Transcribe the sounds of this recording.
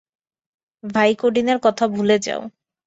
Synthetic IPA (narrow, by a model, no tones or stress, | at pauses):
bʱajkoɖineɾkɔt̪ʰabʱuled͡ʑa̰o